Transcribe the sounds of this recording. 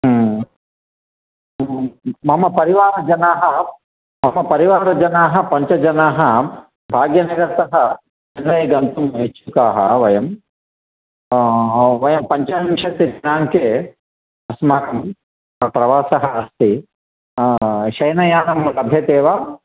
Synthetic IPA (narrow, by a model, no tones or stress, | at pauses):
mɐmɐpɐɾiʋaːɾɐd͡ʒɐnaːɦɐ | mɐmɐpɐɾiʋaːɾɐd͡ʒɐnaːɦɐ̆pɐɲt͡ʃɐd͡ʒɐnaːɦɐ | bʱaːɡjɐnɐɡɐɾt̪ɐɦɐ | ɐnʋɐjɡɐnt̪umɦet͡ʃːukaːɦɐ̰ʋɐjɐm | ʋɐjɐmpɐɲt͡ʃɐimʃɐt̪ːid͡ʒɐnaːŋke | ɐsmaːnɐm | pɾɐʋaːsɐɦɐɐst̪i | ʃɐjnɐjaːnɐmlɐbʱjɐt̪eːʋaː